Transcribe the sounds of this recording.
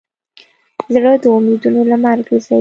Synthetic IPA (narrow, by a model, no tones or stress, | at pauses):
zɽəd̪əumed̪unolamaɾɡasa